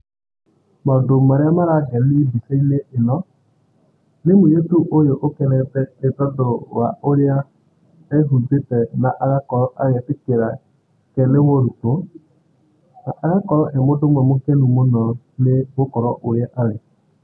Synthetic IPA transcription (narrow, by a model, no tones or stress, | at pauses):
madomaɾɪamaɾaɡɛnibiseineʔɪnɔ | nemujetuʔojoʔokɛnɛtɛɪtɔdowa̰ʔoɾɪa | ɛɦud͡zetɛnaʔaɾakɔɾɔʔajɛtɪkeɾa | kɛnewoɾuto | naʔaɾakɔɾɔʔɛmodʊmwɛmokɛnumonɔ | nɪbokɔɾɔ̰ʔoɾjɛʔaɾɛ